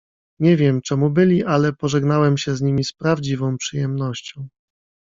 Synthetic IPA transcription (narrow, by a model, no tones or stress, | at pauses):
ɲɛvʲjɛmt͡ʂɛmubɘlʲiʔalɛpɔʐɛɡnawɛmɕɛzɲimʲispɾavd͡ʑivɔ̃w̃pʂɘjɛmnɔɕt͡ɕɔ̃w̃